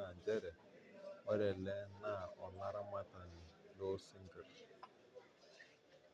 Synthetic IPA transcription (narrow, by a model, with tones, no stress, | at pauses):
a˨d͡ʒe˦ɾe˨ | e˦ɾe˨le˦na˦˨ɔ˨la˦ɾa˦ma˦ta˨nɪ˨lo˦si˦ŋ̩˦ɡɪ˨ɾ